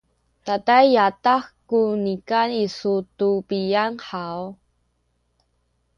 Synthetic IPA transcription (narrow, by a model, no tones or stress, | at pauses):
tatajːataxkunikanisutupijanħaw